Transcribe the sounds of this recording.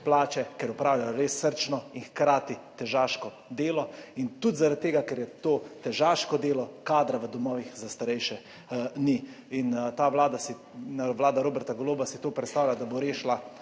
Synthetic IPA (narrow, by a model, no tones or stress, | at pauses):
plaːt͡ʃɛkɛɾupɾaːwlʲjajɔɾesːəɾt͡ʃnɔinxkɾaːt̪it̪ɛʒaʃkɔ | d̪eːlɔint̪ud̪zaɾat̪̚t̪ːeːɡakɛɾjɛt̪oːt̪ɛʒaʃkɔd̪eːlɔkaːd̪ɾaʋəd̪ɔmɔːʋixzast̪aɾɛjʃɛ | ni | int̪aʋlaːd̪asi | ʋlaːd̪aɾoːbɛɾt̪aɡɔloːbasit̪oːpɾɛt̪st̪aːwlʲad̪aboɾeːʃla